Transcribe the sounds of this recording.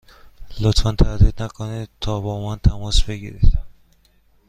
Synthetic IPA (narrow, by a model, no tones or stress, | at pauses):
lot̪fænt̪ʰæd̪iːd̪̥nækʰonid̪̚t̪ʰɒːbɒːmænt̪ʰæmɒːsbe̞ɡḭɾḭd̪̥